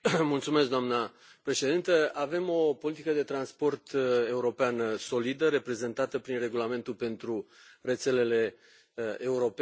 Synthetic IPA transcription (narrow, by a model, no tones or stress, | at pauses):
mult̪sume̞sk̚d̪oamnə | pɾe̞ʃe̞d̪int̪əave̞mo̞po̞lit̪ikəd̪e̞t̪ɾanspo̞rt̪e̞uɾo̞peanso̞lid̪əɾe̞pɾe̞ze̞nt̪at̪əpɾinre̞ɡulame̞nt̪ulpe̞nt̪ɾure̞t̪se̞le̞le̞ | euɾo̞p